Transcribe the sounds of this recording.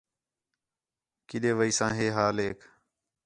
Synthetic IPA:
kiɗeːʋəiːsãːɦeːɦaːleːkʰ

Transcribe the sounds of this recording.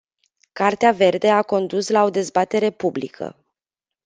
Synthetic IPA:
kart̪eave̞rd̪e̞ako̞nd̪uslao̞d̪e̞zbat̪e̞ɾe̞publḭkʰə̰

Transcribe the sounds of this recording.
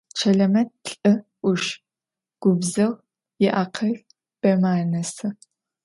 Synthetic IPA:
t͡ʃʰɐɮɐmɐt̚ɬʼɨʔʷʊʃ | ɡ̥ʷʊbzɐʁ | jɪʔaːqʰɐɮ | b̥ɐmaːnɐsɨ

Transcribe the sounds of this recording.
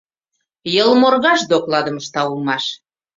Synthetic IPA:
jəlmorɣɑʃd̪oklɑd̪əməʃt̪ɑulmɑʃ

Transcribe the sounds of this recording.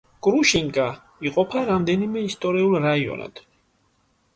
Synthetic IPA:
ɡʼɾuʃiŋkʼa | iqʼɔpʰaɾamd̪ɛnimɛist̪ʼɔɾiulˠɾaiɔ̰na̰d̪̥

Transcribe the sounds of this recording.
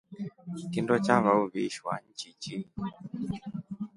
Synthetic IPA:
kindɔt͡ʃaβauβiʃwa̰ɲ̩t͡ʃit͡ʃi

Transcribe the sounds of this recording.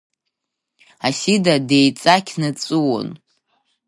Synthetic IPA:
asidadejt͡sʼakʲʰnɨt͡sʼɨwo̰n

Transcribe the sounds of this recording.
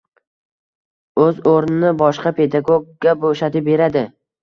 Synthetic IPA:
ɵzoɾnɪnɪbɒʃqɑpʰe̞d̪aɡoɡ̚ːaboʃat̪ɪbe̞ɾad̪ɪ

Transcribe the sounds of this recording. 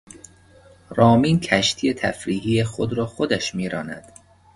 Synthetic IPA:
ɾɒːmiːncʰæʃt̪ʰiːet̪ʰæ̰fɾiːɦiːexod̪ɾɒːxod̪æʃmiːɾɒːnæ̰d̪̥

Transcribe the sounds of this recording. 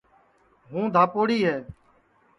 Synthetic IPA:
ɦũːd̪ʱaːpoːɽiːɦɛː

